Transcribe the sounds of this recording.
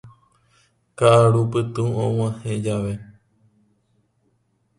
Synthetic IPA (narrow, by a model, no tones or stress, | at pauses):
kaʔaɾupɨt̪ũõw̃ãhẽd͡ʒaʋe